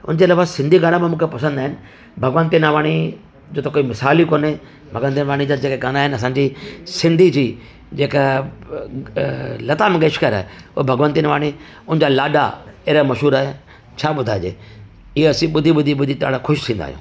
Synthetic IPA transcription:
ʊ̰nd͡ʑeːlaːbasɪ̃nd̪ʱiɡaːɽ̃amẽmũːkʰepɐsə̃nd̪aːɦɪnɪ̆ | bʱɐɡʋənt̪inaːʋaːɽ̃i | d͡ʑoːt̪ɐkoːimɪsaːlikoːne | bʱɐɡʋə̃nt̪inaʋaːɽ̃id͡ʑad͡ʑeːkeɡaːnaːɦɪnɐsãːɲd͡ʑisɪ̃nd̪ʱid͡ʑiː | d͡ʑeːka | lɐt̪amẽɡəʃkəɾa̰ːeʊbʱɐɡʋə̃nt̪inaːʋaːɽ̃i | ʊnɪ̃d͡ʑaːlaːɖa̰eːɾamɐʃɦuːɾaːɦe | t͡ɕʰaːɓʊd̪ʱaːd͡ʑḛː | ɪeɐsĩɓʊd̪ʱiɓʊd̪ʱiɓʊd̪ʱit̪a̰ːɽakʰʊʃt̪ʰĩːn̆d̪a̰ɦjṵ̃ː

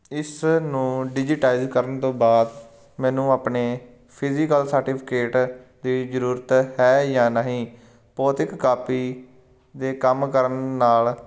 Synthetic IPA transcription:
ɪsnũːɖɪd͡ʒiʈaːizkəɾənt̪õːbaːd̪ | mɛ̃ːnũːaːpneː | pʰɪziːkəlsəɾʈɪːpʰɪ̥keːʈd̪iːd͡ʒəɾuːɾət̪ɦɛːjãːnaɦĩː | pɔːt̪ɪkːaːpiː | d̪eːkəmkəɾənːaːl

